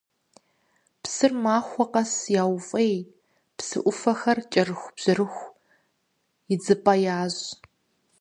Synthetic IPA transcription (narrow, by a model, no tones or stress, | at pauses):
psɨrmaːxʷɔqʼɐsjaːwfʼej | psɨ̰ʔʷʊfɐxɐrt͡ʃʼɐrɨxʷb̥z̥ɨɾɨxʷ | id͡zɨpʼɐjaːz